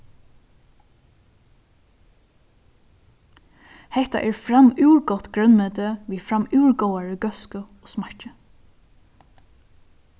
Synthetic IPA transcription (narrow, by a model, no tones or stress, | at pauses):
hɛht̪a̰ʔɛːɹfɾamʉːɹɡɔt̪ɡɹœnmɛːt̪əʋiːfɹamʉwɹɡowaɹəɡœskəoːsmaɹt͡ʃə